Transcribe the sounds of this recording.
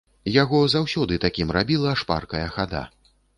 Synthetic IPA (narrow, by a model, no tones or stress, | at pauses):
jaɣɔzawsʲɔd̪ɨt̪akʲimrabʲilˠɐʂpa̰rkɐjɐxad̪a̰